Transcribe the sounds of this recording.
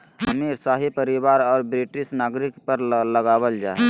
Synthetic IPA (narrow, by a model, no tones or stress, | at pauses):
ɦəmiɾsaɦipəɾibaːɾɔːɾbɾiʈɾisnaːɡɾikpəɾləɡaːbəld͡ʒae